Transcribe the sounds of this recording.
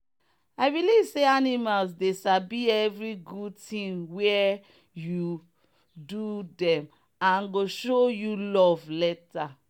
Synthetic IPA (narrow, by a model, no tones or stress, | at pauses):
aɪbilivseanimalsdesabiɛvɹiɡud̚tĩŋwɛ | ju | dudɛ̃m | ãnɡoʃojulɔvlɛta